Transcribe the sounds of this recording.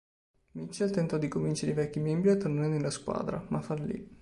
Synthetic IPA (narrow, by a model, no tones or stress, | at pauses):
mit͡ʃːɛlt̪ɛnt̪ɔd̪ikomvint͡ʃeɾḛivɛkʲːimɛmbɾiat̪ːornaɾenelːaskwa̰ːd̪ɾa̰mafarlḭ